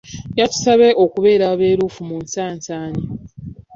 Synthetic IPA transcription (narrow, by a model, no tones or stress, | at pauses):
jatu̥saβeʔokuβe̞ːɾaβe̞ːɾuːfumuːnsaːnsaːɲi